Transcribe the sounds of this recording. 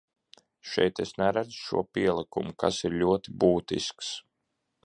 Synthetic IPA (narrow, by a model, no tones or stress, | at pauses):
ʃɛ̰jt̪esnæɾæd̪zʃṵɔpʲiɛlˠikṵmukʰa̰siɾlʲuɔt̪ibuːt̪ḭsks